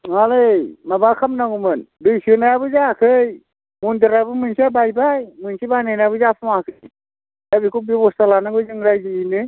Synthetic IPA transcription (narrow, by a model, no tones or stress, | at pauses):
alɯjmabakʰamnaɡumɯndɯjsɯnajabɯzakʰɯj | mundɯɾabɯmɯnsʰiabajbajmɯnsʰibananajabɯzapʰamakʰɯj | abikubibɔstalanaɡɯzɯŋɾajzɯinɯ